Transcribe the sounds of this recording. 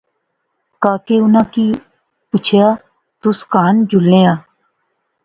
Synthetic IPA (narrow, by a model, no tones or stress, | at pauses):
kaːkeːʊnãːkiː | pʊt͡ʃʰejaː | t̪ʊskaːnd͡ʒʱʊlːẽːãː